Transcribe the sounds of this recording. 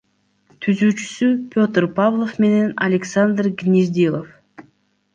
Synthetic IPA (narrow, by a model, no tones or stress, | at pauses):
t̪ʰyzyːt͡ʃy̥sypʲo̞t̪rpavlˠofme̞ne̞nɐlʲeksand̪rɡnʲizd̪ʲilˠof